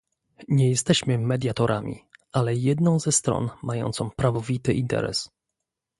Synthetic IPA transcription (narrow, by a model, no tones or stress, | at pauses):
ɲɛjɛst̪ɛɕmɘmɛd̪ʲjat̪ɔɾʔamʲḭʔalɛjɛd̪nɔ̃w̃zɛst̪ɾɔ̰nmajɔ̰nt̪sɔ̃w̃pɾavɔvʲit̪ɘʔint̪ɛ̰ɾɛ̰s